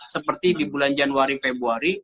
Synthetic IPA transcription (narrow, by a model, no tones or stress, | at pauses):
səpərt̪idibuland͡ʒanwaɾifebɾuaɾi